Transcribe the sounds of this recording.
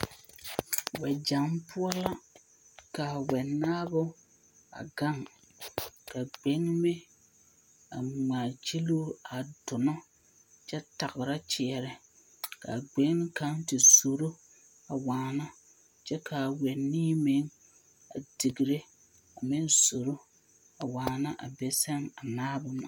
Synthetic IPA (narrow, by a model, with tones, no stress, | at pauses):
wɛ˨d͡ʒa˨mpʊ˦ɔ˦la˦ | ka˨wɛ˨naː˦bʊ˦ | a̰˨ɡa˦˨ŋ | ka˨ɡ͡be˨˦ŋmɪ˦ | a˨ŋ͡ma˨t͡ʃi˦lo˦a˨dʊ˨nɔ˦ | t͡ʃɛ˦ta˨ɣɪ˨ɾa˦t͡ʃɪ˨ɛ˨ɾɪ˨ | ka̰˨ɡ͡be˨˦ka˦ntɪ˨z̥o˨ɾo˦ | a˨waː˨na˦ | t͡ʃɛ˦kʰa˨wɛ˨nːiː˦me˨˦ŋ | a̰˨dɪ˨ɡi˨ɾe˦ | a˨mɪ˦nzo˨ɾo˦ | a˨waː˨na˦ʔa̰˨bɛ˨sɛ˦ŋa˨naː˦bʊ˦na̰˨